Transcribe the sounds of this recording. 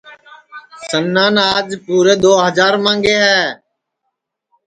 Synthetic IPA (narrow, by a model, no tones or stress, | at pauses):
sənːaːnaːd͡ʒpuːɾeːd̪oːɦəzaːɾmãːŋɡeːɦɛː